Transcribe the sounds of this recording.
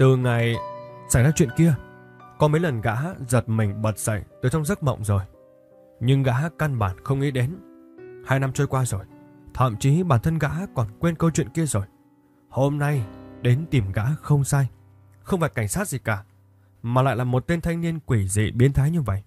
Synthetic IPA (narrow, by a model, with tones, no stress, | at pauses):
t̪ɨ˨˩ŋa˨˩jsaː˧˩jzaː˧t͡ɕwḭ˧˨ənki˧ə | kɔ˨˦mə˨˦jlə˨˩nɣa̰ː˧˥zə˨˩t̚mï˨˩ŋ̟ɓə˨˩t̚sə̰˧˨jt̪ɨ˨˩t͡ɕɔ˧wŋ͡mzə˦˥t̚mɔ̰˧˨wŋ͡mzo˨˩j | ɲɨ˧ŋɣa̰ː˧˥ka˧nɓaː˧˩nxə˧wŋ͡mʔḭ˧˦˥ɗe˨˦nhaː˧jna˧mt͡ɕə˧jkwaː˧zo˨˩j | t̪ʰa̰ː˧˨mt͡ɕi˨˦ɓaː˧˩nt̪ʰə˧nɣa̰ː˧˥kɔ˨˩nkwe˧nkə˧wt͡ɕwḭ˧˨ənki˧əzo˨˩j | ho˧mna˧jɗe˨˦nt̪i˨˩mɣa̰ː˧˥xə˧wŋ͡msaː˧j | xə˧wŋ͡mfaː˨˩jka˧˩jŋ̟saː˦˥t̚zi˨˩kaː˧˩ | maː˨˩la̰ː˧˨jlaː˨˩mo˨˩t̚t̪e˧nt̪ʰa˧jŋ̟ni˧ənkwi˧˩zḭ˧˩˨ɓi˨˦ənt̪ʰaː˨˦jɲɨ˧və̰˧˨jʔ